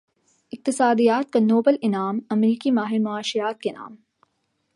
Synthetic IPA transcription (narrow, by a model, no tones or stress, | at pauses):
ɪq̚t̪ɪsaːd̪ijaːt̪̚kanoːbəlɪnaːmɐmɾiːkimaːɦɪɾmɐaːʃijaːt̪̚kena̰ːm